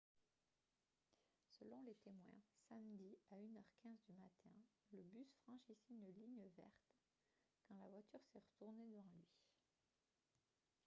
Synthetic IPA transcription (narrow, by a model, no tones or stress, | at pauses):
səlɔ̃let̪emwɛ̰̃samd̪iaynœʁkʲɛ̃zd̪ymat̪ʰɛ̃ləbysfχɑ̃ʃisɛynliɲəvɛ̰ʁt̪ | kɑ̃lavwat̪yʁsɛʁət̪uʁned̪əvɑ̃lɥi